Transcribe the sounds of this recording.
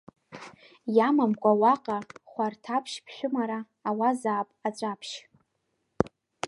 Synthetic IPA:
jamamkʷʼawaqʼaχʷartʰapʰʃpʰʃʷᶣʊmaɾaː | wazaːpʼat͡ʃʷʼapʰʃ

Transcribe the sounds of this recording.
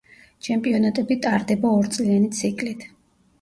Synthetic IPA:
t͡ʃʰɛmpʼiɔnat̪ʼɛbit̪ʼaɾd̪ɛbaɔɾt̪sʼlianit̪sʰikʼlit̪ʰ

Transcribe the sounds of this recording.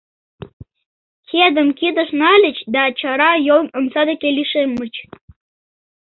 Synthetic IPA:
kʰed̪ə̆mkid̪ə̆ʃnɑlʲət͡ɕd̪ɑt͡ɕɑɾɑjolnəmsɑd̪ekelʲiʃemət͡ɕ

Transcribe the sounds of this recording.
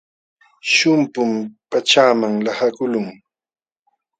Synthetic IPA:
ʃʊmpʊmpat͡ʃaːmaŋlahakʊlʊŋ

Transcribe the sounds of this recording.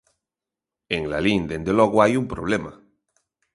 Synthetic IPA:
eŋlalind̪end̪elɔɣoajumpɾoβ̞lema

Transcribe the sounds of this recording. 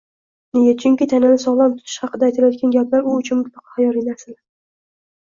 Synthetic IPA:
nejat͡ʃʰʊŋkʲɪt̪ʰananɪsɒʁlˠant̪ʰʊt̪ʰɪ̥ʃhɑqɨd̪aːjt̪ʰalajɒt̪̚kʲanɡʲapʰlaɾʊːt͡ʃʰʊnmʊt̪lɑqʰɑ̥χajɒɾijnasɪl

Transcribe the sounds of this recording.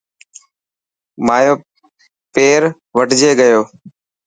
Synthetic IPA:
maːjoː | peːɾ | ʋəʈd͡ʒeːɠəjoː

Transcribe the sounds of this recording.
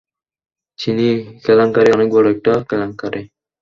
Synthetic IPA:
t͡ɕʰinikɛlaŋkaɾeɔnek̚bɔɽoɛk̚ʈakɛlaŋkaɾe

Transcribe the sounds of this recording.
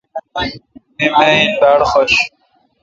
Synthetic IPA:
imeind̪aːɽxoɕ

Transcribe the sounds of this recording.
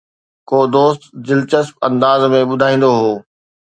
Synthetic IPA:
koːd̪oːst̪d͡ʑɪlt͡ɕəsp̚ɐ̰̃nd̪aːzmẽɓʊd̪ʱaːĩːnd̪oɦoː

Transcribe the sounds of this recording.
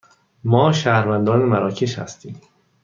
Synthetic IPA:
mɒːʃæːhɾvænd̪ɒːnemæɾɒːcʰeʃhæ̰st̪ʰiːm

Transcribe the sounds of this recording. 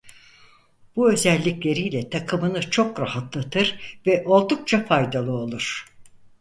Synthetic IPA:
b̥uø̞zɛlʲːiclʲe̞ɾijlʲɛt̪ʰakʰɯmɯnɯt͡ʃʰo̞kɾahat̪lˠat̪ʰɯɾvɛʔo̞lˠd̪uk̚t͡ʃʰafajd̪alˠɯo̞lˠuɾ̥

